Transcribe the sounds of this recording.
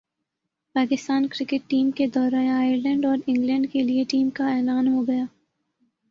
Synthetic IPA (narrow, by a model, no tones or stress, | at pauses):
paːkɪst̪aːnkɾɪkɪʈːiːmked̪ɔːɾaːnaːjəɾlə̃ɳɖɔːɾɪ̃ŋɡlə̃ɳɖkelieʈiːmkaɛːlaːnɦoɡɐjaː